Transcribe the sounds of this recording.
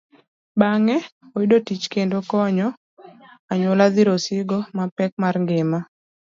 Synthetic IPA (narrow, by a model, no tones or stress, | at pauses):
baŋɛoidotit͡ʃkendokɔɲɔ | aɲʊlaðiɾosɪɡɔmapɛk̚marŋɡɪma